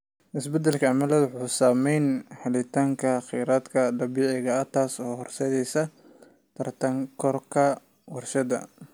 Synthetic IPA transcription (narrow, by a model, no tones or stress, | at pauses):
ʔɪsbɛd̪ɛlkʰɐɐmɐlɐðwʊħuːsaːmɛjnhɐlɪt̪ʰaːŋkʰɐχijɾaːd̪kʰɐd̪ɐbiːʕɪɣɐɐt̪ʰaːsɔːhɔrsɛðɛjsɐ | t̪ʰɐrt̪ʰɐŋkʰɔrkʰɐ | wɑrʃɐðɐ̰